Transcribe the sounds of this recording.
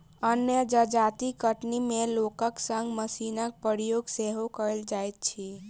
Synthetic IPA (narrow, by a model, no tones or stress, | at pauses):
ənjəd͡ʒəd͡ʒat̪ikəʈnimelokəksəŋɡməsinək̚pəɾijoɡseɦokəld͡ʒajt̪̚t͡ʃʰi